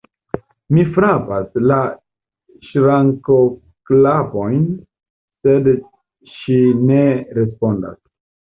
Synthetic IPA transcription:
mifɾapasla | ʃɾaŋko | klapo̞jn | se̞d | ʃine̞ɾe̞spo̞nda̰s

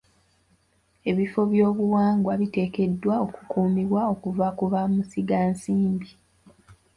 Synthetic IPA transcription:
e̞βifo̞βjoːβuwaːŋɡwaβite̞ːke̞dːwaoku̥kuːmiβwao̞kuvakuβamusiɡaːnsiːmbi

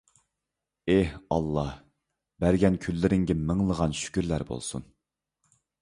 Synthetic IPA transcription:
ehɑlˠːɑh | bæɾɡʲɛnkʲʰylːɪɾɪŋɡʲɛmɪŋlˠəʁɑnʃy̥kʲyɾlæɾbo̰lˠsṵn

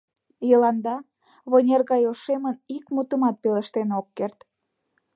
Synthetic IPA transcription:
jəlɑnd̪ɑ | βonʲerɣɑjoʃemənikmut̪əmɑt̪̚peləʃt̪enokːert̪

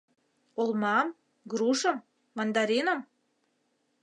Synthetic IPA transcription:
olmɑm | ɡɾuʃɤ̆mː | ɑnd̪ɑɾenə̆m

